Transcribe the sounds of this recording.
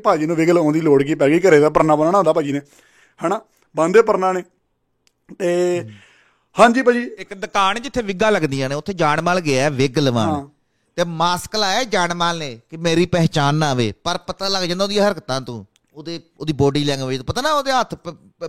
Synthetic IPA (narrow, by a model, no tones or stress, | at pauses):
paːd͡ʒiːnũːʋɪɡəlõːnd̪iːloːɽɡiːpɛːɡiːkəɾeːd̪aːpəɾnaːbənaːnãõnd̪aːpaːd͡ʒiːneː | hɛːnaː | bãːnd̪eːpəɾnaːneː | t̪eː | hãːd͡ʒiːpaːd͡ʒiːɪkd̪əkaːnd͡ʒɪt̪ʰːeːʋɪɡaːləɡd̪ijãːneːʊt̪ʰːeːd͡ʒaːɳmaːlɡɪaːɛːʋɪɡəlʋã̰ː | t̪eːmaːsklaːɛːd͡ʒaːnmaːlneːkɪmeːɾiːpɛːt͡ʃaːnːaːʋḛːpəɾpət̪aːləɡd͡ʒãːd̪aːoːd̪ĩãːəɾəkt̪ãːt̪ũː | oːd̪eː | oːd̪iːboːɖiːlɛ̃ːŋɡt̪ũpət̪aːnaːoːd̪eːɦət̪ʰ